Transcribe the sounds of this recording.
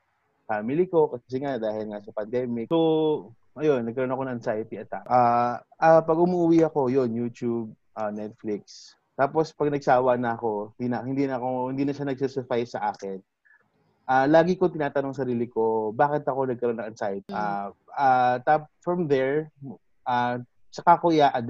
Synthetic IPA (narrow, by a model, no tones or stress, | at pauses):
faːmɪlɪko̞kɐɐs̬ɛŋad̪aːhɪlŋasɐpɐnd̪ɛːmɪo | ʔɐjonːɐɡ̚kɐɾo̞nɐkonɐŋʔɐnsaːjt̪iɐt̪akʔaʔapɐɡʊmuʔʊwiʔɐko̞jo̞njut̪jub̚ | ʔanɛt̪̚flɪk̚s | t̪aːpo̞spɐɡ̚nɐɡ̚saːwɐnɐɐko̞ɪnd̪inɐhɪnd̪inɐɐkohɪnd̪iːnɐʃanɐɡ̚sɛsɛfajsːɐʔaːkɛn | ʔaːlaːɡɪkot̪ɪnaːt̪ɐnoŋsɐɾiːlɪko̞baːkɪt̪̚ɐko̞nɐɡ̚kɐɾo̞nːɐŋʔɐnsajt̪aat̪apfɹɐmd̪ɛɹ | ʔa | t͡ʃɐkakojaʔɐd̪